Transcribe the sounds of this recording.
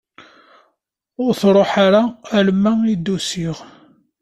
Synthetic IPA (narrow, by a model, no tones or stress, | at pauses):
ʊɾθɾˤoħaɾaælmːæid̪usiʁ